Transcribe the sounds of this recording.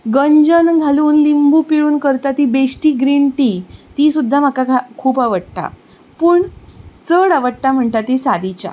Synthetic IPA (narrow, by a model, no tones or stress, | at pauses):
ɡəɲd͡ʑənɡʱaluːnlimbʱupiɭuːnkəɾt̪at̪ibesʈiːɡɾiɳʈit̪isud̪ʱːam̤əkaɡakʰuːpaʋəʈʈa̰ | pəːɳt͡səɽaʋəʈʈːam̤əɳt̪at̪isad̪it͡ɕa̰